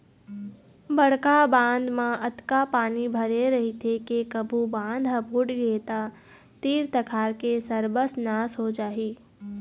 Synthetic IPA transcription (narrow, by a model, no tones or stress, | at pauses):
bəɽ̤kabãːnd̪mãʔɐt̪kapaːnibʱɐɾeɾɐɦit̪ʰekekəbʱubãːnd̪ʱɦəbʱuːʈɡet̪a | t̪iːɾt̪əkʰaːɾkesəɾbəsnaːsɦod͡ʒaːɦiː